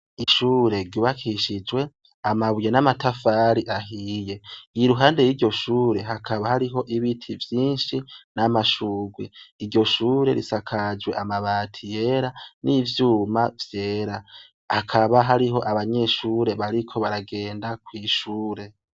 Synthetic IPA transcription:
iʃuːɾe̞ɾɟuːβakʰiʃid͡ʒwe̞ | amaβujenamatafaːɾiʔaɦiːje̞iɾuɦaːnde̞jiɾɟo̞ʃuːɾe̞ɦakʰaβahaɾiɦo̞ʔiβitʰivjiːnʃinamaʃuːɡweiɾɟo̞ʃuːɾe̞̰ɾisakʰad͡ʒɡwe̞ʔamaβaːtʰije̞ɾanivjuːmavje̞ːɾa | hakʰaβaɦaɾiɦo̞ʔaβaɲe̞ʃuːɾe̞βaɾikʰo̞βaɾaɡe̞ːndakwiːʃuːɾe̞

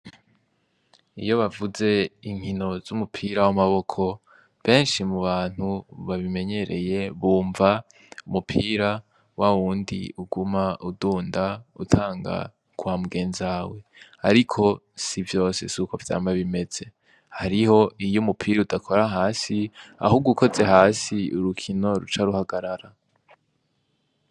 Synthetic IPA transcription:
ijo̞βavuze̞iŋ̥hino̞z̥umupʰiːɾawamaβo̞kʰo̞ | βe̞ːnʃimuβaːn̥uβaβime̞ɲe̞ɾe̞je̞βuːɱva | umupʰiːɾa | waβuːndḭuɡumauduːndautʰaːŋɡa̰ | kʰuwamuɡe̞ːnzaːwe̞aɾikʰo̞ | sivjo̞ːse̞̰sukovja̰ːmaβime̞d͡z̥e̞ | haɾiho̞ijomupʰiːɾaudakʰo̞ɾaɦaːsia̰huɡukʰo̞ze̞ɦaːsiuɾukʰino̞ɾṵt͡ʃaɾuhaɡaɾaɾa

